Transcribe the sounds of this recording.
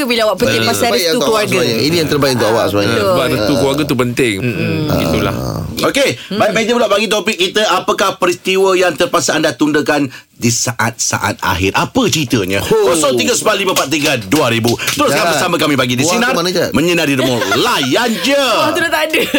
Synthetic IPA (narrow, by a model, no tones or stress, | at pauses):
əbiləawaʔpənt̪ɪasabəukəwaɡaɲinijaŋt̪ərbajɪʔunt̪uʔawaʔsumajbaɾət̪ukuwaɡət̪upənt̪ɪŋ̰ḭt̪ula̰hokebait̪̚mẽd͡ʒəbəlaʔbaɡit̪̬opɪkːit̪əʔapəkahpəɾist̪iwəjaŋt̪ərpasaandat̪undəkan | disaʔa̰t̪̚sa̰ʔa̰t̪̚a̰ɦɪrʔapət͡ʃɾit̪əɲə̰̃kɔsɔŋt̪iɡəsəbaliməpat̪̚t̪iɡaduaɾibut̪ɾosɡapəsaməkamĩbaɡidisinaranad͡ʒamə̃ɲənaɾiɾəmɔlajand͡ʒət̪udat̪də